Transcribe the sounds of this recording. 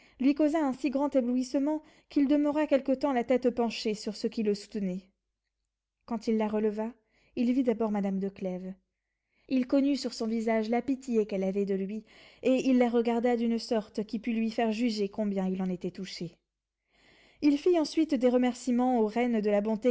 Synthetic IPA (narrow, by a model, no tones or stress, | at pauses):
lɥikozaɛ̃siɡʁɑ̃t̪ebluisəmɑ̃ | kild̪əməʁakʲɛlkət̪ɑ̃lat̪ɛt̪pɑ̃ʃesyʁsəkʲiləsu̥t̪nɛ | kɑ̃t̪ilːaʁələva | ilvid̪abɔʁmad̪amd̪əklɛv | ilkɔnysyʁsɔ̃vizaʒlapit̪jekɛlavɛd̪əlɥieilːaʁəɡaʁd̪ad̪ynsɔʁt̪kʲipylɥifɛʁʒyʒekɔ̃bjɛ̃ilɑ̃net̪ɛt̪uʃe | ilfiɑ̃sɥit̪d̪eʁəmɛʁsimɑ̃oʁɛnd̪əlabɔ̃t̪e